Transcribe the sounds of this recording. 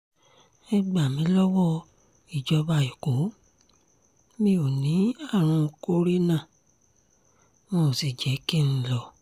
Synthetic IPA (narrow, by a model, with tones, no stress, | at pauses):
e˦ɡ͡ba˨mĩ˨˦lɔ˦wɔ˦ | i˨d͡ʒɔ˧ba˧i˨ko˨˦ | mĩ˦o˨nĩ˨˦a˦˨ɾ̃ũ˧ko˦ɾi˦nã˦˨ | mɔ̃ː˦˨si˨d͡ʒɛ˨˦ki˦˨ñ̩˧lɔ˧˨